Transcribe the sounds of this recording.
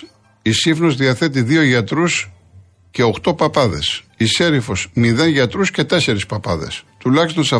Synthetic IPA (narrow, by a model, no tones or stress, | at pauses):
isifnozðiɐθet̪iðio̞ʝɐt̪ɾus | ce̞o̞xt̪o̞pɐpɐðe̞̰sise̞ɾifo̞smiðe̞nʝɐt̪ɾusce̞t̪e̞se̞ɾispɐpɐðe̞̰st̪ulɐçist̪o̞nsɐ